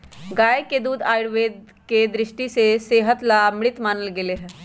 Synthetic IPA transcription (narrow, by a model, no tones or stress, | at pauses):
ɡaːeked̪uːd̪aːɽʋeːd̪ | ked̪ɾɪʃʈiseseːɦət̪lamɽɪt̪maːnəlɡeleɦɛ̃ː